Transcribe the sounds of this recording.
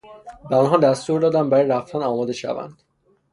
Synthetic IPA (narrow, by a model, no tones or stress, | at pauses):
bæɒnɦɒːd̪æst̪uɾd̪ɒːd̪æmbæɾɒːjɾæft̪ʰænɒːmɒːd̪e̞ʃæ̰væ̰nd̪̥